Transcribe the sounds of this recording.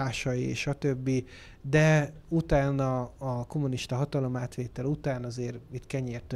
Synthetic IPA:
aːʃɒjiḛʃɒt̪øbːi | d̪ɛ | ut̪aːnɒːko̞muniʃt̪ɒɦɒt̪ɒlo̞maːt̪ʋeːt̪ɛlut̪aːnɒzeːrit̪kɛɲeːrt̪ø

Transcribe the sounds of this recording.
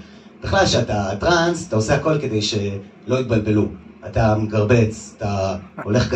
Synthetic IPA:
b̥eχlalʃeatatʁansat̪aoseako̞lke̞d̪ejʃe̞ | lo̞it̪̚balbe̞luatameɡaʁbe̞t͡satao̞le̞χɡ

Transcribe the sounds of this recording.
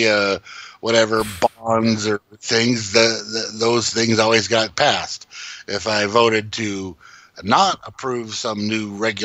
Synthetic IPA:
wʔʌɾɛvə˞bɑ̃nzə˞θɪ̃ŋzðɨðɨðoʊz̥θɪ̃ŋzɔlˠwizɡɑt̚pʰæstʔɪfaɪvoʊɾɨd̚tʰɨ | nəɾəpʰɹ̥ʉv̥sʌ̃mnʉɹɛɡj

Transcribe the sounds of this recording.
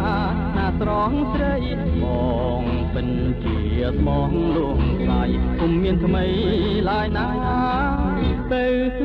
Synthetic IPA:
naːsrɑːŋsɾəj | mɔː | ŋ | pɨɲ | t͡ɕi | əsmɑːŋluəŋlaːjkumːiənt̪ʰməj | laəjnaʔjaː | t̪əw

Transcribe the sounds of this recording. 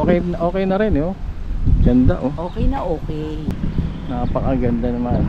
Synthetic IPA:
okɛjnʔo̞ːkɛjnɐɾɛno | ɡɐnd̪a̰ʔoʔoːkɛjnɐʔoːkɛjnɐpɐkɐɡɐnd̪anɐman

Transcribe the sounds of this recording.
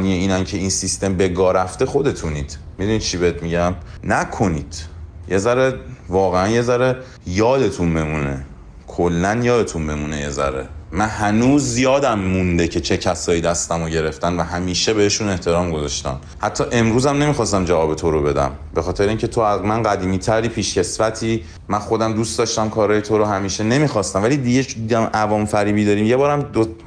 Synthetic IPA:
niːeiːnæncʰe̞insist̪e̞mbe̞ɡɒːɾæft̪e̞xo̞d̪e̞t̪ʰuniːd̪̥mid̪unid̪̚t͡ʃʰibeet̪ʰmiɟæmnækʰo̞niːd̪̥je̞zæɾevɒːɣeænje̞zæɾe | jɒːd̪e̞t̪ʰunbemune̞̰ | kʰolːænjɒːd̪e̞t̪ʰunbemuːne̞je̞zæ̰ɾḛmænhænuːzːijɒːd̪æmːund̪e̞cʰe̞t͡ʃʰe̞cʰæsɒːjiːd̪æst̪æmoɟe̞ɾe̞ft̪ænvæɦæmiːʃebe̞heʃune̞ht̪e̞ɾɒːmɡozɒʃt̪æ̰m | hæt̪ʰːɒːʔe̞mɾuːzæmne̞miːxɒːst̪æmd͡ʒævɒːbet̪ʰoɾo̞be̞d̪æ̰m | be̞xɒːt̪ʰe̞ɾeiːŋcʰet̪ʰoæmænɢæd̪iːmiːt̪ʰæɾiːpʰiːʃce̞svæt̪ʰiː | mænxo̞d̪æmd̪ust̪d̪ɒːʃt̪æmkʰɒːɾɒːjet̪ʰoɾohæmiːʃe̞ne̞miːxɒːst̪æmvæliːd̪iɟe̞d̪id̪æmʔævɒːmfæɾiːbiːd̪ɒːɾiːmje̞bɒːɾæmd̪o

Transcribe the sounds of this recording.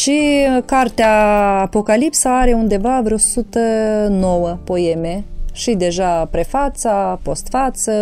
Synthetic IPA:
ʃikart̪eaːpo̞kalipsaaɾe̞und̪e̞vavɾeosut̪əno̞wəpo̞e̞me̞ʃid̪e̞ʒapɾe̞fat̪sapo̞st̪fat̪sə

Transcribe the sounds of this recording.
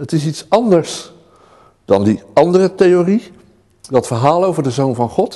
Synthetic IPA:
ətɪs̬itsɑndəɹs | d̥ɑ̰ndiɑndərətejori | dɑtfəɹɦaːlˠowvəɹdəzownvɑnχɔt

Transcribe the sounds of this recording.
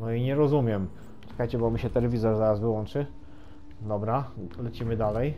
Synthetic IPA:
nɔiɲɛɾɔzumʲjɛm | t͡ʂɛ̥kajt͡ɕɛbɔmʲiɕɛt̪ɛlɛvʲizɔɾzaɾasvɘwɔnt͡ʂɘ | d̪ɔbɾalɛt͡ɕimɘd̪alɛj

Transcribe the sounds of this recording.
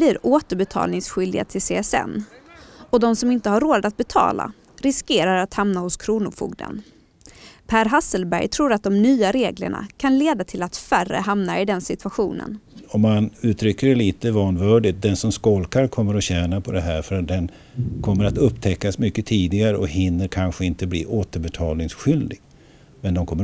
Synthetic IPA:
bliːɾoːt̪əɾbɛt̪ʰɑ̰ːlnɪŋsɧʏld̪ɪɡa̰t̪ʰɪlseːɛsɛ̰nː | ɔd̪ɔmsɔmɪnt̪əhaɾːoːd̪at̪̚bɛt̪ʰɑ̰ːla̰ | ɾɪskeːɾaɾat̪hamnahʊskʰɾuːnʊfṵːɡd̪ə̰n | pʰæːɾɦasːəlbæ̰ɾjt̪ʰɾuːɾat̪̚d̪ɔmnyːaɾeːɡlə̰ɳa̰kʰanleːd̪at̪ʰɪlat̪færə̰hamnaɪd̪ɛnsɪt̪ʉ̥aɧṵːnə̰nɔmːanʉ̟ːt̪ʰɾʏkːəɖɛliːt̪əvɑːnvœːɖɪt̪̚d̪ɛnsɔmskɔlkaɾkʰɔmːəɾɔɕɛːnapʰɔd̪ɛɦæːɾfœɾat̪̚d̪ɛn | kʰɔmːəɾat̪ɵpːt̪ʰɛkːasmʏkːət̪ʰiːd̪ɪɡaɾəɔkɦɪnːəɾkʰanɧəɪnt̪əbliːʔoːt̪əɾbɛt̪ʰɑːlnɪŋsɧʏld̪ɪɡ̥ | mɛnd̪ɔmkʰɔmːə

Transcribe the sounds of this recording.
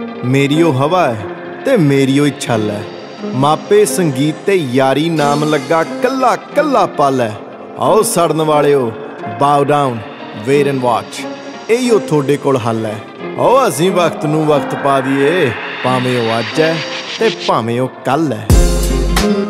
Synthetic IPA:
meːɾiːoːɦəʋaːɛː | t̪eːmeːɾiːoːɪt͡ʃʰəlɛ̰ː | maːpeːsəŋɡiːt̪ːeːjaːɾiːnaːmləɡːaːkəlːaːkəlːaːpəlɛː | ɔ̰oːsəɽnʋaːleːoː | baːuɖaːʊn | ʋeːɾɛ̃ːɳɖʋaːt͡ʃ | eːiːoːt̪ʰoːɖeːkoːlɦəlːɛː | ɔ̰oːəs̬ĩːʋəkʰt̪nũːʋəkʰt̪paːd̪iːeːpaːʋẽːoːaːd͡ʒɛːt̪eːpaːʋẽːoːkəlɛ̰ː

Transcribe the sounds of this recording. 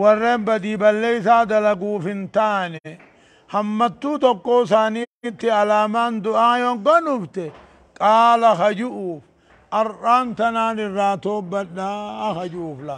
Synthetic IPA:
wɔrːe̞ːmbɐd̪iːbɐlːeːjɪsaːd̪ɐlɐɡuːfɪnt̪aːnɛ | hɐmːɐt̪ːuːt̪ɔkːo̞ːsaːniːt̪ːɪɐlaːmaːnd̪ʊʔaːjɔɡɔnʊft̪ɛ | kʼaːlɐhɐd͡ʒʊʔuːf | ʔɐɾʔaːnt̪ɐnaːnɪrːaːt̪oːbːɐᶑaːkɐd͡ʒʊːflɐ

